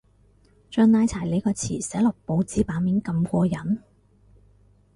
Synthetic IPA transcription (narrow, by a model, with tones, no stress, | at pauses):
t͡ʃœː˧ŋnaː˧jt͡sʰaː˨˩jle˨˧jkɔː˧t͡sʰiː˨˩sɛː˨˥lɔ˨˩k̚po˨˧wt͡siː˨˥paː˨˥miː˨˥nkɐ˧mkʷɔː˧jɐ˨˥n